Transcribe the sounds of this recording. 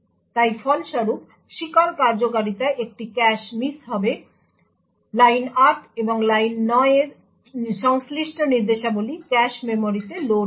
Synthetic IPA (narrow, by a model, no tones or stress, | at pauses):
t̪ajfɔlʃɔɾup | ʃikaɾkaɾd͡ʑokaɾit̪aeʔek̚ʈikɛʃmisɦɔbe | lajnaɾʈeboŋlajnːɔeeɾ | ʃɔŋsliʃʈoniɾd̪eʃabolikɛʃmemoɾit̪elo